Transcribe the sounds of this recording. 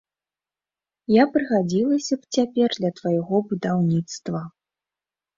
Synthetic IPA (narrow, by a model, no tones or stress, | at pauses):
japɾɨɣad͡zʲilˠɐsʲɐpt͡sʲapʲɛrd̪lʲɐt̪vajɛɣɔbud̪awnʲit̪st̪vɐ